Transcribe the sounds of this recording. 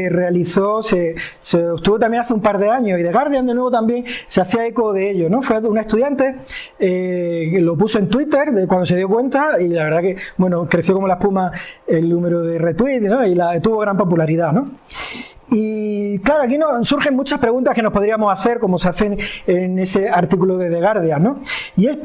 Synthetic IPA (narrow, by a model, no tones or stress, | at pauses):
re̞aliθo̞se̞ | seopt̪uβo̞t̪amje̞naθeumpaɾðe̞aɲo̞iðe̞ɣ̞aɾðjand̪e̞nwe̞β̞ot̪ambje̞ŋseaθjaeko̞ðe̞e̞ʎo̞no̞fweunae̞st̪uðjant̪e̞elo̞puso̞e̞nt̪wit̪e̞ɾðekwand̪o̞se̞ðjo̞kwe̞nt̪ailaβe̞ɾðake̞bwe̞nokɾe̞θjoko̞mo̞laepumae̞lːũme̞ɾoðe̞re̞t̪wit̪no̞ilat̪uβo̞ɣ̞ɾampo̞pulaɾiðano̞ | iklaɾoak̬ino̞suɾxe̞ŋmut͡ʃaspɾeɣũnt̪ahkeno̞hpo̞ðɾiamo̞saθe̞ɾko̞mo̞seaθe̞ŋene̞se̞aɾt̪ikuloðeðe̞ɣ̞aɾð̞jano̞ | ie̞s